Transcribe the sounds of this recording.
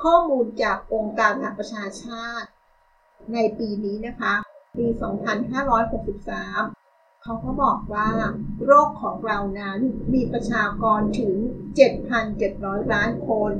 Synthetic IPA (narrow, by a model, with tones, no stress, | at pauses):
kʰɔː˥˩muː˧nt͡ɕaː˨˩k̚ʔo˧ŋkaː˧nʰa˨a˨˩kpɾa˧t͡ɕʰaː˧t͡ɕʰaː˥˩t̪̚ | na˧jpiː˧niː˦˥na˦˥kʰa˦˥piː˧sɔː˩˦ŋpʰa˧nɦaː˥˩ɾɔː˦˥jho˨˩k̚si˨˩p̚saː˩˦m | kʰa˦˥wkʰɔ˦˥bɔː˨˩k̚waː˥˩ɾoː˥˩kʰːɔː˩˦ŋɾa˧wna˦˥nmiː˧pɾa˧t͡ɕʰaː˧kɔː˧nt̪ʰɯ˩˦ŋt͡ɕe˨˩t̪̚pʰa˧nt͡ɕe˨˩t̪̚ɾɔː˦˥jɾaː˦˥nkʰo˧n